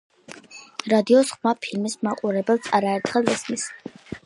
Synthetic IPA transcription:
ɾad̪iɔsχmapʰilmismaqʼuɾɛbɛlˠsaɾaɛɾt̪ʰχɛlˠɛsmis

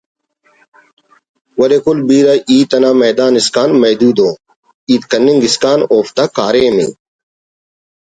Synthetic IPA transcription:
wɐlekʊlbiːɾɐʔiːt̪ɐnaːmeːd̪aːniskaːnmɐːd̪uːd̪õː | iːt̪kɐnːiŋɡiskaːnoːft̪aːkaːɾeːmḭː

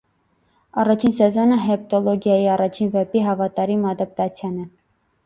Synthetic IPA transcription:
ɑrɑt͡ʃʰinsɛzɔnəɦɛp̚t̪ɔlɔɡjɑjiɑrɑt͡ʃʰinvɛpiɦɑvɑt̪ɑɾimɑd̪ɑp̚t̪ɑt͡sʰjɑnɛ

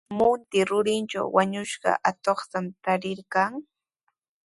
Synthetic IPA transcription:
mʊnt̪ɪɾʊɾɪnt͡ʃa̰wwaɲʊʃɢɑ̰ʔat̪oχt̪amt̪aɾɪɾkaŋ

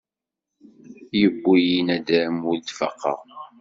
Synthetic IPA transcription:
jəbʷːijinæd̪æmuld̪fɑ̰qːɑ̰

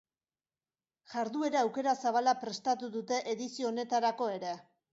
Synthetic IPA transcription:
ʝaɾðue̞ɾaawke̞ɾasaβ̞alapɾe̞st̪at̪uðut̪e̞ʔeðisio̞ːne̞t̪aɾako̞e̞ɾe̞

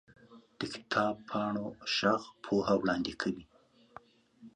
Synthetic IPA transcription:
d̪̥əkɪ̥t̪ʰɑbpʰɑɳoʃaxpʰoɦawɽɑnd̪ɪkʰawi

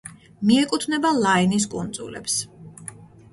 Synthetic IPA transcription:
miɛkʼut̪ʰvnɛbalˠainis̬kʼund̪zʼṵlɛ̰ps

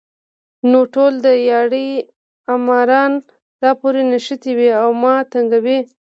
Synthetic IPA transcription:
noʈold̪əjɑɽi | amɑɾɑn | d̪̥ɑpoɾenaʃət̪iwiawmɑt̪aŋɡawi

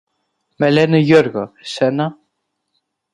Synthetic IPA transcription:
mɛlɛnɪjœɾɣasɛnːa

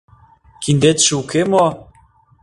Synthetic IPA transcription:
kind̪et̪ʃuwkemo

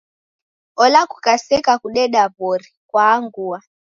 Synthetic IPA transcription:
ɔlakukasɛkakuɗɛɗabɔɾikwaːŋɡua

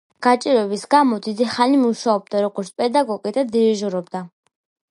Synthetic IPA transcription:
ɡ̥at͡ʃʼiɾɛbisɡamɔd̪id̪iχanimuʃaɔb̚d̪aɾɔɡɔɾt̪sʰpʼɛd̪aɡɔɡid̪ad̪iiʒuɾɔb̚d̪a

